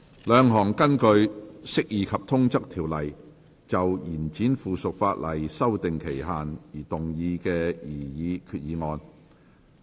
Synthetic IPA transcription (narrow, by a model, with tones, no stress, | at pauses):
lœː˨˧ŋɦɔː˨˩ŋkɐ˥nkɵ˧ɥsɪ˥k̚jiː˨˧kʰɐ˨p̚t̪ʰʊ˥ŋt͡sɐ˥k̚t̪ʰiː˨˩wlɐ˨˩j | t͡sɐ˨wjiː˨˩nt͡siː˨˥nfuː˨sʊ˨k̚faː˧t̚lɐ˨˩jsɐ˥wt̪ɪ˨ŋkʰe˨˩jɦaː˨njiː˨˩t̪ʊ˨ŋjiː˨˧kɛː˧jiː˨˩jiː˨˧kʰyː˧t̚jiː˨˧ŋɔː˧n